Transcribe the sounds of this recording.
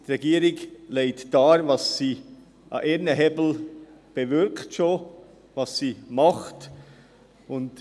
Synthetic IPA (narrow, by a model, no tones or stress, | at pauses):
tɾɛɡiːəɾɪkleɪtd̥ɑːɾvɑsːiː | ʔɑ̰ʔeɾnəɦɛbl̩ | b̥evʏɾktʃoː | vɑssiːmɑχt | ʊnt